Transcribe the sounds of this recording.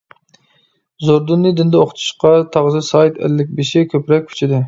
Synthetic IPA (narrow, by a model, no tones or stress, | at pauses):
zoɾd̪unːɨd̪ɪnd̪ɛoqʰt̪ʰu̥ʃqɑt̪ʰɑʁzɨsɑjt̪ʰɛ̰lːɪk̚ʲbeʃɪkʲʰøpɾɛk̚ʲʰy̥t͡ʃʰid̪ɪ